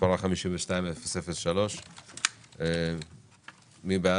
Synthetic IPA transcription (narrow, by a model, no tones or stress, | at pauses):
paʁaχamiʃimveʃtaimelfsefelʃalo̞ʃ | e | mibea